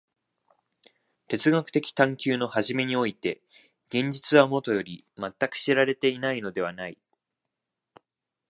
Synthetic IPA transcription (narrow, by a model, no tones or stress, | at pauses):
t̪e̞t͡sɨɡakɯ̟̥t̪e̞kʲi̥t̪ãŋkʲɨːno̞haʑime̞ɲ̟io̞it̪e̞ | ɡ̥ẽ̞ɲ̟d͡ʑit͡sɨβamo̞t̪o̞jo̞ɾʲimat̪ːakɯ̟̥ɕiɾaɾe̞t̪e̞inaino̞d̪e̞βanai